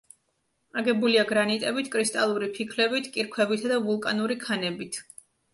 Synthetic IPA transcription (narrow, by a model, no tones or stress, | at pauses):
aɡɛbuliaɡɾanit̪ʼɛbit̪ʰkʼɾist̪ʼalˠuɾipʰikʰlɛbit̪ʰkʼiɾkʰwɛbit̪ʰad̪avulˠkʼanuɾikʰanɛbit̪ʰ